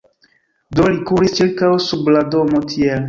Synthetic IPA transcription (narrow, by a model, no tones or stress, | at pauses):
dolikuɾist͡ʃiɾkawsubladomotʰiel